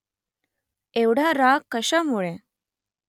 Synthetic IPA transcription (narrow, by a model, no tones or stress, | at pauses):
eʋɽ̤aɾakːəɕamuɭe